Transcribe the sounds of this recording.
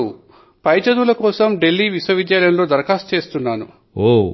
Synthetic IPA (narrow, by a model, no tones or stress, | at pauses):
u | pɐjt͡ʃɐd̪ulɐkɔːsɐmɖe̞lːiːʋiswɐʋid̪jaːlɐjɐnɐlo̞ːd̪ɐɾɐkaːst͡ʃe̞ːst̪unːaːnṵ | oː